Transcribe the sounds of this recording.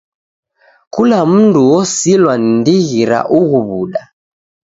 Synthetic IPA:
kulam̩nduwɔsilwanindiɣiɾa̰ʔuɣuβuɗa

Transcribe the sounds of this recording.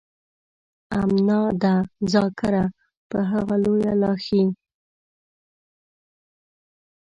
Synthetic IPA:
amnɑd̪azɑkaɾa | pəɦaɣalojalɑxi

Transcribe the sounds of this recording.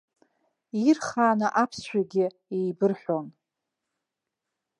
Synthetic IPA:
irχaːnaʔapʰsʃʷᶣaɡʲɪ | ejbɨrħʷᶣon

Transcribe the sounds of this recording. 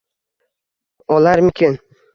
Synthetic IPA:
ɒlaɾmɪkʲʰɪn

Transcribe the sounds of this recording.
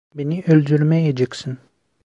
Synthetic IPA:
beniʔølʲd̪yɾmɛjed͡ʒeksin

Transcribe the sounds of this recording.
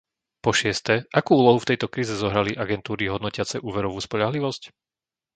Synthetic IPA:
pɔʃɪɛst̪ɛʔakuːuːlɔɦuft̪ɛjt̪ɔkɾiːzɛzɔɦɾaliʔaɡɛnt̪uːɾiɦɔd̪nɔcɪat͡sɛʔuːʋɛɾɔʋuːspɔʎaɦliʋɔsc

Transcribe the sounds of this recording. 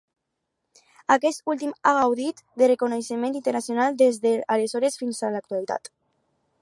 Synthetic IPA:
akɛst̪ulˠt̪imaɣawðit̪d̪erekoneʃemẽnt̪int̪eɾnasjonalˠd̪ezðealezɔɾesfinzalak̚t̪ualit̪a̰t̪

